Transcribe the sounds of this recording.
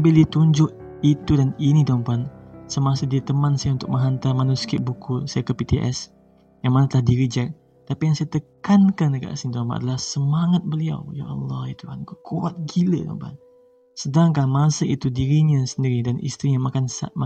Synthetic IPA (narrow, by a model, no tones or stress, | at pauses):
bildit̪uɲd͡ʒʊʔ | it̪udaninit̪ampansəmasədiɾit̪əmansajunt̪ʊk̚məɦant̪amanuskɪʔ̚bukusajakəpit̪iʔɛ̰s | jaŋmanat̪əlahdiɾid͡ʒak̚ | t̪apijaŋsajat̪əkankanəɡa̰ʔsint̪ampa̰na̰dalahsəmaŋat̪̚bəlia̰wja̰ʔɑ̰lːɑhit̪uankokʰua̰t̪̚ɡilə̰t̪o̰mpa̰n | sədaŋkamasəit̪udiɾiɲasəndiɾidanʔḭst̪ɾiɲamakansa̰ma